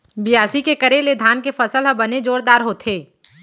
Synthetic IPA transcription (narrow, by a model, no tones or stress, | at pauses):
bɪjaːsikekəɾeled̪ʱaːnkefəsəlɦəbəned͡ʒoːɾd̪aːɾɦoːt̪ʰeː